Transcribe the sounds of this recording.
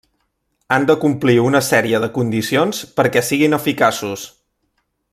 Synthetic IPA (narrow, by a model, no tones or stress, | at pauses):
and̪əkumpliunəsɛɾiəðəkund̪isionspəɾkɛsiɣinəfikasus